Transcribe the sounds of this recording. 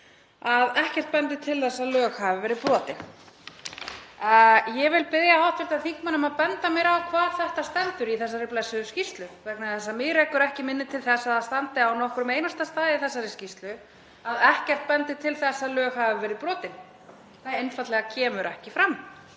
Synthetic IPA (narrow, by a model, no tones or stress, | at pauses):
aðɛhcɛr̥t̪̚pɛnt̪ɪt̪ʰɪlθɛsːaðlœːɣhavɪvɛːɾɪðpɾɔːt̪ɪn | jɛvɪlpɪðjahawt̪vɪɾt̪aθiŋ̥kmanːʏmaðpɛnt̪amjɛɾakʰvaːðθɛht̪ast̪ɛnt̪ʏɾiθɛsːaɾɪplɛsːʏscist̪lʏvɛknaθɛsːamɪɾekʏɾɛhcɪmɪnːɪt̪ʰɪlθɛsːaðast̪ant̪ɪawnɔhkɾʏmejnast̪ast̪aːðɪiθɛsːaɾɪscist̪lʏ | aðɛhcɛr̥t̪̚pɛnt̪ɪt̪ʰɪlθɛsːaðlœːɣhavɪvɛːɾɪðpɾɔːt̪ɪn | θajejnfat̪lɛɣacʰɛːmʏɾʔɛhcɪfɾam